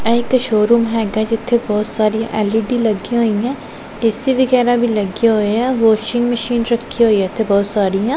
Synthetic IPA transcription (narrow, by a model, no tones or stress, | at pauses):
ɛɪkːʃoːɾuːmɦɛːɡad͡ʒɪt̪ʰːẽbɔːt̪saːɾiã̰ʔɛːlɪɖilɐɡiɦoːiɛ̃ː | ɛːsiʋɪɣɛːɾabʱilɐɡiɦoːeɛ̃ːʋoːt͡ʃɪ̃ŋɡməʃiːnɾɐkʰːiɦoːiɛ̃ɪt̪ʰːebɔːt̪saːɾijãː